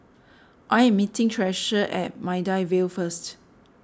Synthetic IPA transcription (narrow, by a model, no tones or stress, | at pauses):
ʔajɛ̃mːitɪ̃ŋtʰɹɛʃəʔɛ̰t̚maɪdajvelfəst